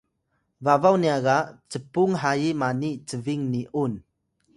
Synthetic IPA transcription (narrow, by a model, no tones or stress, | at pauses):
vavawniaɡat͡səpuŋɦajimanit͡səviŋniʔun